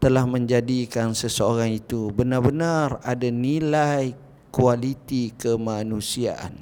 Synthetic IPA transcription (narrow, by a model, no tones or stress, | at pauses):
t̪əlahmə̃ɲd͡ʒadikansəsəoɾaŋit̪ubənarbənaradanilaj | kualit̪ikəmanũsiaʔa̰n